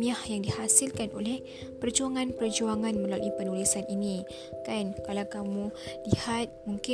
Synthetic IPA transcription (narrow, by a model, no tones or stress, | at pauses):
iahjaŋdihasɪlkanʔolɛh | pərd͡ʒuaŋãnpərd͡ʒuaŋanmə̃lalṵʔipənulisanini | kankalawkamũlihat̪̚muŋkɪ